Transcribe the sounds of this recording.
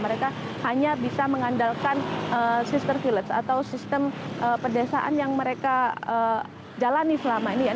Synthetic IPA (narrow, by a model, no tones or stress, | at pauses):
məɾekahaɲabisaməŋandalkanəsist̪ərfilət̪sa̰t̪awsist̪əmʔəpərdɛsa̰ʔa̰njaŋməɾekaə | d͡ʒalanisəlamainija